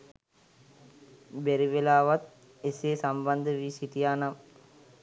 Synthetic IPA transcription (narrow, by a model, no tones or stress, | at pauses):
beɾiʋelaːʋat̪̚ | eseːsamband̪əʋiːsiʈijaːnam